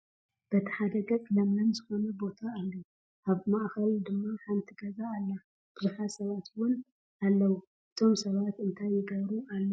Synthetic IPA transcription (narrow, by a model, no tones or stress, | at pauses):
b̥ɐt̪ʰɐ̥ħad̪ɐɡɐkʼlɐmlɐmzɨxo̞nɐbo̞t̪ʰaːβlːu | ʔaβmaʔxɐld̪ɨmːaħant̪ʰiɡɐzaːlːa | b̥ɨzuħasɐβat̪wʊn | alːɐwu | ɨt̪ʰo̞msɐβat̪ɨnt̪ʰajːɪɡɐβɾualːɐ